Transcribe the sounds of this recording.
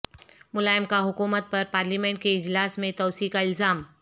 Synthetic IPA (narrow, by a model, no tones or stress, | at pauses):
mʊlaːjəmkaɦʊkuːmət̪̚pɐɾpaːɾliːmẽɳʈkeɪd͡ʑlaːsmẽt̪ɔːsiːkaɪlzaːm